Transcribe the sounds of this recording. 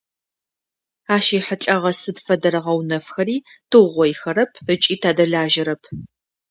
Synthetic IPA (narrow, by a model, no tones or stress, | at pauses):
aːʃiːħət͡ɬʼɐʁɐsɨdfɐdɐɾɐʁɐwnɐfxɐɾiː | tʰɨʁʷɔjxɐɾɐpʰət͡ʃʼiːtʰaːdɐɮaːʒɪɾɐpʰ